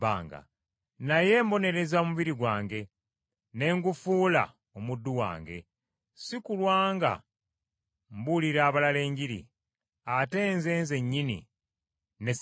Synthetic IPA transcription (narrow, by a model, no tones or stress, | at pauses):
a̰ːŋɡa̰ | naje̞mbo̞ne̞ɾe̞zaomuβiɾiɡwaːŋɡe̞ | ne̞ŋɡufuːla̰ | omudːuwa̰ːŋɡe̞̰ | sikulwaːŋɡa̰ | mbuliɾaːβalale̞ːɲɟiɾḭ | ate̞ːnze̞ːnze̞ɲːinḭ | ne̞